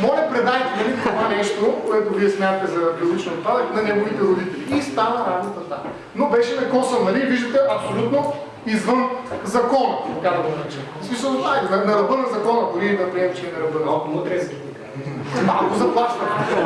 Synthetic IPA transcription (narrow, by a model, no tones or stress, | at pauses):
mɔlʲɐpɾɛd̪ajt̪ɛd̪ɐlit̪ovanɛʃt̪okoɛt̪oviɛsmjat̪t̪ɛzɐbilolit͡ʃniot̪̚pad̪əknɐnɛɡovit̪ɛɾod̪it̪ɛliist̪anɐɾaznɐt̪ɐt̪a̰ | nobɛʃɛnɐkɔsəmnɐliviʒd̪ət̪ɛʔɐpsolʲut̪no | izvənzɐkɔnkɐkad̪ɐɡomɾat͡ʃɛ | smis̬əlˠanɐnɐɾɐbɤnɐzɐkɔnɐd̪ʊɾid̪ɐpɾiɛmt͡ʃɛɛnɐɾɐbənɐakˠɐt̪ɾɛsɛt̪iɡoi | malˠkozɐplˠaʃt̪ɐm